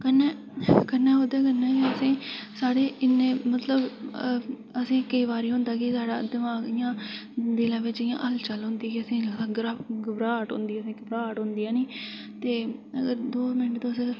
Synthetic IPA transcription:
kənːɛː | kənːɛːɦoːd̪ɛːk̬ənːɛːkiəsĩːsaːɽeːʔɪnːeːmət̪ləb | əsĩːkəiːʋaːɾiːɦʊ̃nd̪aːkɪsaːɽa̰ːd̪ɪmaːɡɪjãːd̪ɪlãːʋɪt͡ʃɪjã̰ːʔəlt͡ʃəlɦʊ̃nd̪iːkiəsĩːsãːɡɾaɡbɾaːʈɦʊ̰nd̪iːəsĩːɡɪbɾaːʈɦʊ̃nd̪iːãːniː | t̪eːəɡəɾd̪oːmɪnəʈt̪õːsẽː

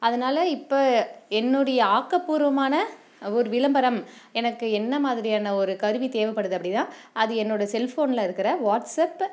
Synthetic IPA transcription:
ɐðɐnaːlɐɪpːoːɛnːɔɽɐjɐaːkːɐpːuːɾʋɐmaːnɐ | ɔɾɯʋɪlɐmbɐɾɐm | ɛnɐkːɯɛnːɐmaːðɪɾɪjaːnɐɔɾɯkɐɾɯʋit̪eːʋɐpːɐɽɯðɯɐpːɐɽɪt̪ãː | ɐðɯɛnːoːɽɐsɛlfoːnlaːɪɾɯkːɪɾɐʋaːʈsɐp

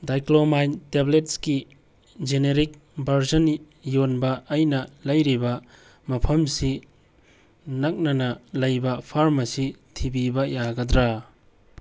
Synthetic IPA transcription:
dajklomajntebletski | d͡ʒeneɾik̚ | bʱɐɾzɐn | jonbɐʔːjnɐlɐjɾibɐ | mɐpʰɐmsi | nɐk̚nɐnɐlɐjbɐpʰaɾmɐsitʰibibɐjaɡɐdɾa

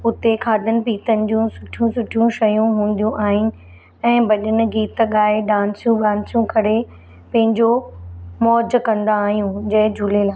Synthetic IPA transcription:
ʊt̪ekʰaːd̪ʱənɪ̆piːt̪ənɪ̆d͡ʑũːsʊʈʰijũsʊʈʰijũʃɐjũɦũːn̆d̪ijũʔaːɦɪnɪ̆ | ɛ̃ːbɐɗənɪ̆ɡiːt̪ɠaːeɖãːnsijũɠãːnsjũkɐɽe | pɐ̃ɦɪ̃ɲd͡ʑomɔːd͡ʑkɐ̃nd̪aːɦijũd͡ʑɐɦɪd͡ʑʱʊlelaː

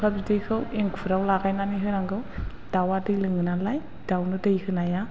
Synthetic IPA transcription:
kʰabidɯjkʰɯweŋkʰuɾawlaɡajnaniɦɯɾaŋɡɯw | d̥awadɯlɯŋɯnalaj | d̥awnɯdɯjkʰɯnaja

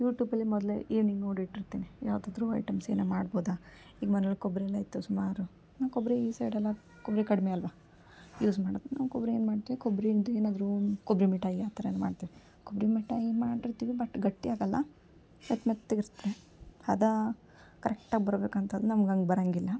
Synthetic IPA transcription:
juːʈjuːbɐlːimɔd̪leiːʋniɡnoːɖbiʈːiɾt̪iːnijaːʋd̪aːd̪ɾuɐ̰jʈɐmsḛːnemaːɽboːd̪a | iːɡmɐnɐlkobɾeɛlːɐːjit̪ːusumaːɾu | naːnkobɾeiːseːɽɐlːɐ | kobɾekɐɽmeɐlʋa | juːsmaːɖit̪ːnaːnkobɾeeːnmaːɖt̪iʋikobɾed̪ueːnaːd̪ɾukobɾimiʈaiaːt̪ɐɾɐnma̰ːɖt̪iʋi | kobɾimiʈaimaːɖiɾt̪iːʋibɐʈːɡɐʈːiaːɡɐlːɐ̰ | ɐt̪met̪ːeɡiɾt̪ɾe | ɐd̪ɐ | kɐɾɛk̚ʈaːɡbɐɾbeːkɐnt̪ʰɐd̪ːunɐmɐɡɐŋɡebɐɾaŋɡilːɐ

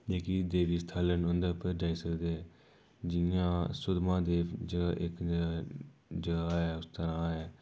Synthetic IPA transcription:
leːkiːd̪eːʋiːst̪ʰaːlənʊ̃nd̪əːpəɾd͡ʒaːiːsəkd̪eːɛ | d͡ʒɪjãːsʊd̪mãːd̪eːd͡ʒəɡaːʔɪkː | d͡ʒəɡaːɦɛːʊst̪əɾãːɦɛː

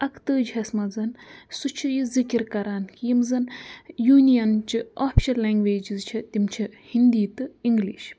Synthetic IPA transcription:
ɐkʰt̪ɨːd͡ʒɦɐsmɐzɐnsut͡ʃʰijizikiɾkɐɾaːnkijimzɐnjuːnijɐnt͡ʃioːpʰi̥ʃɐlːeːŋɡʋeːd͡ʒizt͡ʃʰɐt̪imt͡ʃʰihind̪iːt̪ɨiŋɡliʃ

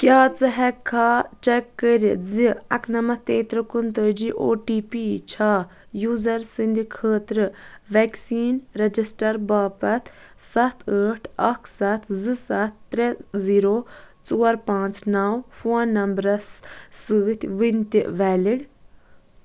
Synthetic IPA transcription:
kʲjaːt͡sɨɦɛkʰːaːt͡ʃɛkːəɾiziɐ̰kʰnɐmɐt̪eːt̪ɾɨkunt̪əd͡ʒiʔo̰ːʈiːpiːt͡ʃʰaː | juːzɐɾsɨnd̪ʱikʰəːt̪ɾɨʋɛksiːnɾɐd͡ʒisʈɐɾbaːpɐt̪ʰ | sɐt̪ʰəːʈʰɐkʰsɐt̪ʰzɨsɐt̪ːɾeziːɾoːt͡soːɐɾpãːnt͡snawfoːnːɐmbɾɐssɨːt̪ʰʲʋinʲt̪iʔʋɛːliɽ

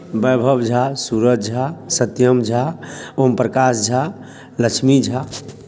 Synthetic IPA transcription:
bəjbʱəbd͡ʒʱasuɾət̪̚d͡ʒʱasət̪jəmd͡ʒʱaompɾəkasd͡ʒʱa | ləkt͡ʃʰmid͡ʒʱa

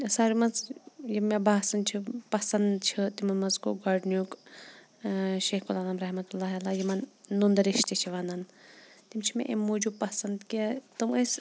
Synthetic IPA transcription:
saːɾimɐnzjimebaːsɐnt͡ʃʰipɐsɐnd̪t͡ʃʰit̪imɐnmɐnzko̰ɡɐɖnjuk | ʃeːkulaːnaːmɾɐɦmɐt̪ulːaːɦalaːjimɐnːund̪ɐɾiʃt̪it͡ʃʰiʋaːnant̪imt͡ʃʰimʲḛʔḛmːoːd͡ʒupɐsɐnd̪kɐt̪ɨməs

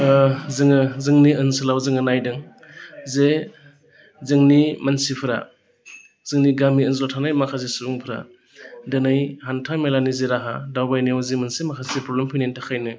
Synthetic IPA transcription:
zɯŋɯzɯŋniənsɯlawzɯŋɯnajdɯŋ | ze | zɯŋnimansipʰɯɾa̰ | z̥ɯŋniɡamiənzlotʰanajmakʰazisubuŋpʰɾa̰ | dɯnajhantʰamelaniziɾaɦa̰dawbajniwzimansimakʰasepɾɔblempʰijnentʰakʰajnɯ

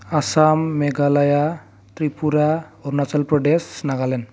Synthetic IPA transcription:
asamːeɡalaja | t̪ripuɾaoɾnat͡salpɾɔɖesnaɡalen

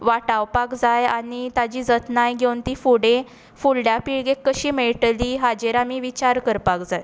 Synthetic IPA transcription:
ʋaʈawpakd͡zajanit̪ad͡ʑiːd͡zət̪najɡʱewnt̪iːfuɽẽ | fulɖjapiɭɡekːəɕiːmeɭʈliːɦad͡ʑeɾamiːʋit͡ɕaɾkəɾpakd͡zaj

